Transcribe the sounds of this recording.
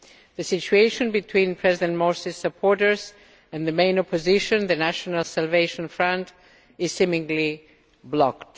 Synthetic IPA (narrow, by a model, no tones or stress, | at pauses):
ðɨsɪt͡ʃueɪʃɨ̃nbɨtʰw̥ĩnpʰɹ̥ɛzɪdɛ̃nmɔɹsisəpʰɔɹɾə˞z | ɨ̃nðɨmẽɪ̃nɔpʰɔzɪʃɨ̃nðɨnæʃɔnəlˠsælˠveɪʃə̃nfɹʌ̃nt | ɪz̥sɪ̃mɪ̃ŋli | blɔkt